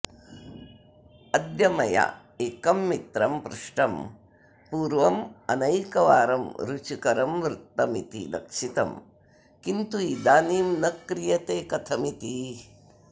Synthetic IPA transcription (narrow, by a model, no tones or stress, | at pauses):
ɐd̪jɐmɐja̰ | eːkɐmːit̪ɾɐmpɾuʂʈɐm | puːɾʋɐmɐ̰nɐjkɐʋaːɾɐmɾut͡ʃikɐɾɐmʋɾɪt̪ːɐmit̪ḭlɐ̰kʂit̪ɐ̰m | kint̪uid̪aːniːmnɐkɾijɐt̪eːkɐt̪ʰɐmit̪i